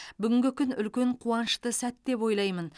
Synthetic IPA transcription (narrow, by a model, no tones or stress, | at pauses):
bʏɡʲɪŋɡʲɪkʲʰʏnʏlkʲe̞ɴqʰuɑnəʃt̪əsæt̪ːe̞pwo̞jlˠɑjmən